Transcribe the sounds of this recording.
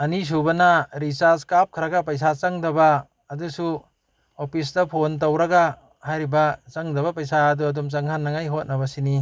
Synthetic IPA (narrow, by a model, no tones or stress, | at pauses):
ɐnis̬ubɐnɐɾisaɾskap̚kʰɐɾaɡɐp̬ɐjs̬at͡ʃɐŋdɐbaː | dusu | opʰis̬dɐpʰont̬owɾɐɡa | hajɾibat͡ʃɐŋdɐbɐpɐjsaɐduɐdumt͡ʃaŋʰanːɐŋajɦot̚nɐβɐsini